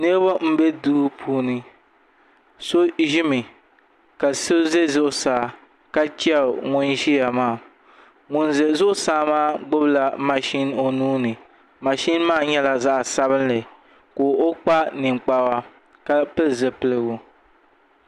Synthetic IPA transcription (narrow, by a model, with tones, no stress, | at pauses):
nɨ˦ɾβa˦m̩˦bɛ˦duː˦pʰuː˦nɨ˦ | so˦ʒɪ˦mɨ˨ | ka˨sɨ˦ze˦zʊ˦ʔsaː˨ | ka˦t͡ʃa˦˨ŋʊ˦nʒi˦a˨maː˦˨ | ŋʊ˨nzɛ˨zʊ˦ʔʊ˦saː˦maː˦ɡ͡bʊ˦bla˦ma˨ʃɪ˦no˨nuː˦nɨ˨ | ma˨ʃɪ˦n˦maː˦ɲɛ˦la˨za˦ʔsa˦βɨ˦nlɨ˨ | koː˨o˦k͡pa˦nɨ˨ŋ͡mk͡pa˦wa˦ | ka˦pɨ˦lzɨ˨pɨ˦˨lɨ˦ɣʊ˨